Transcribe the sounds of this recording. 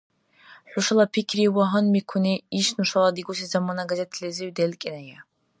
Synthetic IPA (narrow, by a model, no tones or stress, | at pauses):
ħʷᶣʊʂalˠapʰikʲʰɾiwɔɦənmikʷʰuniiʃnuʂalˠad̪iɡus̬izamanaɡazʲɛt̪ʰlɛziwd̪ɛlkʼinaja